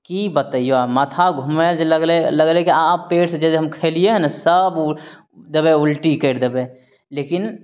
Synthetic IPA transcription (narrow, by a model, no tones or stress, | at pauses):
kibət̪aijoamət̪ʰaɡʱʊmed͡ʒləɡleləɡlekiaːppːeːʈsd͡ʒɛːseɦɐmkʰeːlieɦɛnsəb | d̪əbẽʊlʈikəɾd̪ebẽ | lekɪn